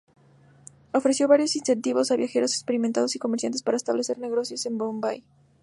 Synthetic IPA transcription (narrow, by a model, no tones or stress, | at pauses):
o̞fɾesjoβaɾjo̞sinse̞nt̪iβo̞saβjaxe̞ɾo̞sekspe̞ɾiment̪að̞o̞siko̞meɾsjant̪espaɾaest̪aβle̞se̞ɾne̞ɣo̞sjose̞mbombaj